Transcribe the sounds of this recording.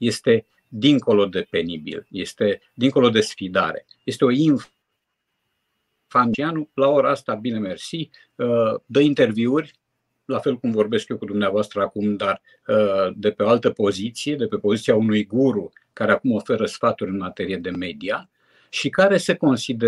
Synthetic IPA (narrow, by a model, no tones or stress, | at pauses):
je̞st̪e̞ | d̪iŋko̞lo̞d̪e̞pe̞nibḭlje̞st̪e̞ | d̪iŋko̞lo̞d̪e̞sfid̪a̰ɾe̞̰ | je̞st̪e̞o̞in | fant͡ʃianulao̞ɾaast̪abinemersi | əd̪əint̪e̞rviurʲ | lafe̞lkumvo̞rbe̞skjokud̪umneavoast̪ɾəakumd̪ar | d̪e̞peoalt̪əpo̞zit̪sije̞d̪e̞pe̞po̞zit̪siaunujɡuɾu | kaɾeakumo̞fe̞ɾəsfat̪uɾʲɨnmat̪e̞ɾijed̪e̞me̞d̪ia | ʃikaɾe̞seko̞nsid̪e